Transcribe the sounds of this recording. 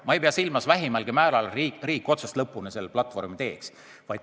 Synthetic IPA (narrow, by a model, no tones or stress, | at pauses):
mɑejpeɑsilmɑsvæɦimɑlɡ̥imæːlɑliriːkːˑo̞t̪sɑst̪lɤpːˑunese̞lːeplɑt̪ˑvo̞rmit̪e̞ːks | vɑj̪